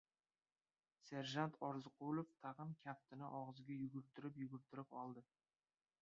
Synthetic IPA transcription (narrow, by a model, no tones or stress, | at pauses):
seɾʒant̪ʰɒɾzɨqʊlˠoft̪ʰɑʁɨmkʲʰap̚t̪ʰɪnɪʔɒʁɨzɡʲajʊɡʲʊɾt̪ʰɪɾɪpjʊɡʲʊɾt̪ʰɪɾɪpɒlˠd̪ɪ